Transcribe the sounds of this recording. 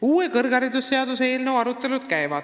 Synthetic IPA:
uːekɤrɡ̥ɑɾid̪usːe̞ɑd̪useeːlnewɑɾut̪ˑːe̞lud̪̥̚kæjvɑ̰d̪̥

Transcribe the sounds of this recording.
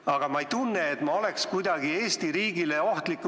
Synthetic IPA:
ɑɡ̥ɑmɑejt̪unːeːt̪mɑo̞le̞kskujd̪̥ɑɡ̥ie̞ːst̪iɾiːɡile̞o̞ht̪likːˑ

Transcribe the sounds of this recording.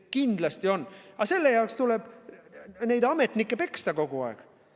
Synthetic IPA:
kind̪̥lɑst̪io̞nːɑse̞lːejɑokst̪uleb̥ | ne̞jd̪ɑme̞t̪nikːˑe̞pe̞kst̪ɑko̞ɡ̥uɑ̰eɡ̥

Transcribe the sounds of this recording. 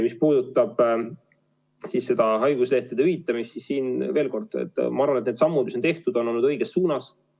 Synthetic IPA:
mispuːd̪̥ut̪ːˑɑb̥ | sisse̞d̪̥ɑɦɑjɡ̥usle̞ht̪ed̪eyɦit̪ːˑɑmist̪sisːiːnve̞ːlko̞rd̪̥ḛt̪ːˑmɑɑrvɑnet̪ned̪sɑmːud̪miso̞nt̪e̞ht̪ud̪̥o̞nːo̞lnːud̪ɤ̞jɡ̥esːuːnɑs

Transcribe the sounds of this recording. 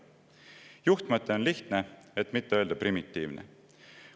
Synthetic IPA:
juht̪mɑt̪ːˑeo̞nliht̪neet̪mit̪ːe̞øld̪̥ɑprimit̪ːiːvnʔḛ

